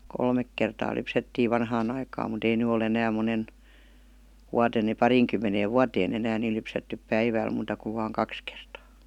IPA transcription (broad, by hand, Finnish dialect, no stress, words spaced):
kolmek kertɑː lypsetːiːʋ ʋɑnhɑːn ɑikɑːm mut ei ny ol enæːm monen wuɑten ni pɑriːŋkymːeneːʋ ʋuɑteːn enæːn ni lypsetːyp pæiʋæˑl muːtɑ kuʋ ʋɑːŋ kɑks kertɑː